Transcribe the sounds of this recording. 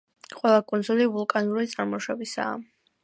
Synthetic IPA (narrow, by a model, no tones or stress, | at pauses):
qʼwɛlˠakʼɔnd̪zulivulˠkʼanuɾit̪sʼaɾmɔʃɛbisa̰ː